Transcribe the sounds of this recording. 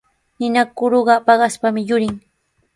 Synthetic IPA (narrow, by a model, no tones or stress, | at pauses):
nɪnakʊɾoɢɑpɑɢɑspamɪjʊɾɪŋ